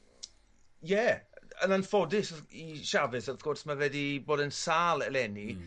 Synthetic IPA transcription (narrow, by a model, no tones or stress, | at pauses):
jɛənanfɔdɪsiʃavɨθaθɡ̥ɔrsmavɛdiboːdənsaːlˠɛlˠɛni